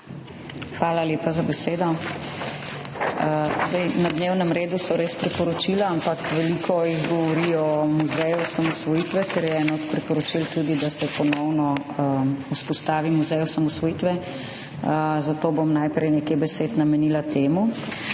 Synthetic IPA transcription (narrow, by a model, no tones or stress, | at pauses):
xʋaːlaleːpazabɛseːd̪ɔ | zd̪ɛjnad̪neːwnəmɾeːd̪usɔɾeːspɾipɔɾɔt͡ʃilaampakʋɛlikʰɔjiɣɡɔʋɔɾiɔmuzɛjusamɔsʋɔjit̪ʋɛkɛɾjɛɛnɔɔt̪pɾipɔɾɔt͡ʃilt̪ud̪id̪asɛpɔnɔwnɔ | uspɔst̪aːʋimuzɛjusamɔsʋɔjit̪ʋɛ | zat̪oːbomnajpɾɛjnekebɛseːt̪namɛnilat̪eːmu